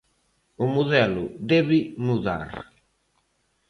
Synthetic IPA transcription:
ʊmuðɛlʊðɛβɪmuða̰ɾ

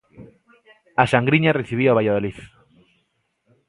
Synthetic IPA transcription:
aʃaŋɡɾiɲareθiβ̞iaβajaðoliθ

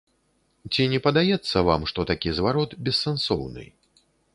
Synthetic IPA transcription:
t͡sʲinʲɛpɐd̪ajɛt̪sːɐva̰mʂt̪ɔt̪akʲizvaɾɔt̪bʲɛsːɛnsɔ̰wnɨ̰

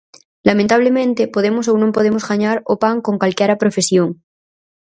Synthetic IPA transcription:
lamẽnt̪aβ̞lemẽnt̪epoðemos̬ownõmpo̞ð̞emozɣaɲaɾopaŋko̞ŋkalkjaɾapɾofesjoŋ

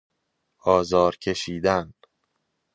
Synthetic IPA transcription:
ɒːzɒːɾcʰe̞ʃiːd̪æn

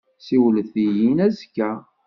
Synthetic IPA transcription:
siwləθijinæzkːæ

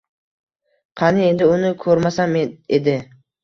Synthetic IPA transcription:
qʰɑnɪe̞nd̪ɪʊnɪkʰɵɾmasamed̪ɪ

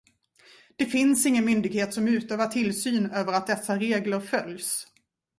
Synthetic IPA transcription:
d̪̥ɛfɪnsɪŋːənmʏnd̪ɪɡheːt̪sɔmʉ̟ːt̪øːvaʈʰɪlsyːnøːvəɾat̪̚d̪ɛsːaɾeːɡləɾfœljs

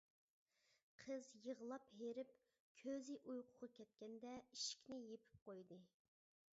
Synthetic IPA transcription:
qʰəzjəʁlˠɑpɦeɾɪp | kʲʰøzɪʔujqʰʊʁɑkʲʰɛt̪̚kʲɛnd̪ɛiʃi̥kʲnɪjepʰɪ̥p̚qojd̪ɨ

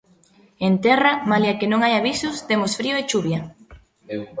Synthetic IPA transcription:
ent̪ɛramaljakɪnõŋajaβisʊst̪emʊsfɾioet͡ʃuβja

